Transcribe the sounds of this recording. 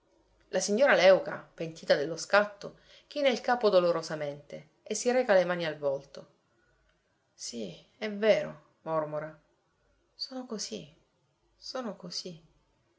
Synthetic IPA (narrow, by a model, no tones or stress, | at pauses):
lasiɲːoːɾalɛwka̰pent̪iːt̪ad̪elːoskat̪ːo | k̟iːneilkaːpod̪oloɾozament̪e | esːiɾɛːkalemaːnialvɔlt̪o | si | ɛveːɾo̰ | mɔrmoɾa | soːnokozi | soːnokozi